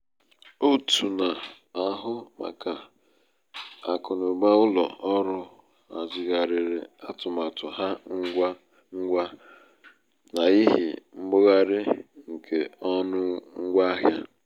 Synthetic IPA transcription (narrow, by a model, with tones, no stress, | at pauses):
o˦tʰu˨na˨ | a˨ɦʊ˦ma̰˨ka˨ | a˨kʊ˨nʊ˨ɡ͡ba˦ʊ˦lɔ̰˨ɔ˦ɾʊ˦ | a˨d͡ʒɪ˨ɣa˨ɾɪ˨ɾɪ˨a˦tʊ˨ma˨tʊ˨ɦa˦ŋ̩˦ɡʷa˦ | ŋ̩˦ɡʷa˦ | na˨i˦ɦḭ˨m̩˦bʊ˦ɣa˦ɾɪ˦ŋ̩˨kʰe˨ɔ˦nʊ˦ŋ̩˦ɡʷa˦ɦja˦